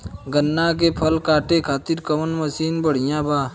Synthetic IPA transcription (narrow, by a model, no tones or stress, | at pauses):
ɡənːãːk̬epʰəlkaːʈekʰaːt̪iɾkəmənməsiːnbəɽ̤ɪjãːbʱaː